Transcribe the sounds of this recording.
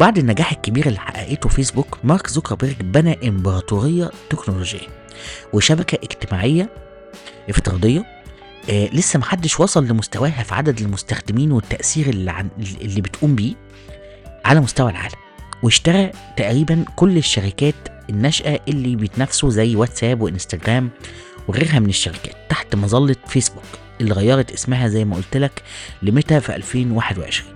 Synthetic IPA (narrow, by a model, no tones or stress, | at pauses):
baʕd̪enːæɡaːħekːebiːɾelːiħa̰ʔæ̰ʔeːt̪ofeːsbukmɑɾˤkzokɑbeɾɡbænæʔembɑɾɑt̪ˤoɾejːɑt̪eknoloʒḛjːæ | weʃæbækæʔeɡt̪emaːʕejːæ | ʔeft̪eɾˤɑ̰ːd̪ˤejːɑ | lesːæmæħad̪ːeʃwɑsˤɑlːemost̪æwæːɦæfiʕa̰d̪æd̪elmost̪æxd̪emiːnwet̪ːæʔsiːɾeʕelːiːbet̪ʔuːmbiː | ʕalæmost̪æwælʕa̰ːlæmweʃt̪ɑɾˤæt̪æʔɾiːbænkolːeʃːæɾikæːt̪enːæʃʔæʔelːibejet̪næfsozæjːwæt̪sæːbweʔenst̪æɡɾæːm | weɣeːɾɦæmeneʃːæɾikæ̰ːt̪ːaħt̪mɑzˤɑlːefeːsbuk | ʔelːiɣæjːɑɾˤɑt̪ʔesmæɦæzæjːmæʔolt̪læklemet̪æfiʔæ̰lfeːnwaːħed̪wḛʕḛʃɾiːn